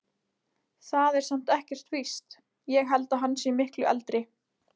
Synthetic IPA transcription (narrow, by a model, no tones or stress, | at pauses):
θaðɛɾ̥sam̥t̪ɛhcɛr̥t̪vist̪ | jɛɣɦɛlt̪aɦanːsjɛmɪhklʏʔɛ̰lt̪ɾɪ